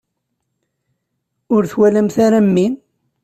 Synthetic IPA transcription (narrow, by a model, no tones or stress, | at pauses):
ʊɾθwælæmθaɾamːin